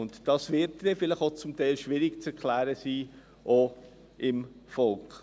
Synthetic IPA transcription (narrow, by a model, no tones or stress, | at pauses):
ʊntd̥ɑːsvɪɾtd̥ɛfɪlɪχot͡sʊmtɛɪlʃʋɪɾɪɡt͡sɛɾkʰlæːɾəsiː | ʔoː | ʔɪmfɔlk